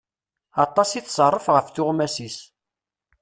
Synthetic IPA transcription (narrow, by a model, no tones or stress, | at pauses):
ɑt̪ˤːɑsiθsˤərˤːəfʁəfθʊʁmæsis